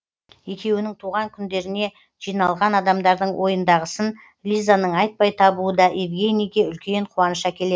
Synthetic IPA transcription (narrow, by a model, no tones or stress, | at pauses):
e̞kʲe̞wɪnɪŋt̪ʰuʁɑŋkʲʰʏnd̪e̞ɾɪne̞ | ʒ̥ijnɑlˠʁɑnɑd̪ɑmd̪ɑɾd̪əɴwʔo̞jənd̪ɑʁəsən | lʲizanəɴɑjt̪̚pɑjt̪ʰɑbuəd̪ɑʔevɡʲe̞nijɡʲe̞ʏlkʲe̞ɴqʰuɑnəʃɑkʲʰe̞le̞d̪ɪ